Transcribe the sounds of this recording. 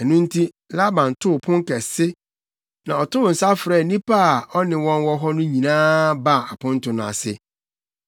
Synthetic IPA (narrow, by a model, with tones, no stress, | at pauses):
ɛ˨nʊ̃˦n̩˦tʰi˦ | la˦bã˨n˨tʰʊ˦˨pʰʊ̃˦ŋ˦kɛ˨sɪ˦ | nã˨ɔ˨tʊ˦ʊ˨n̩˨sa˦fɾɛː˨nĩ˦pa˦a˨ɔ˦nɪ̃˨wɔ̃˦nwɔ˦ɦɔ˦nʊ̃˦ɲĩ˨nãː˦ba˦˨a˨pʊ̃˦n̩˦tʊ̃˨nã̰˨sɪ˦